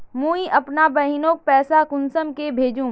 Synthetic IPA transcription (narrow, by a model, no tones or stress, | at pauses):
mũːiʔɐpnabɐɦɪnõːk̚pɛːsakʊnsəmkebʱeːd͡ʒũ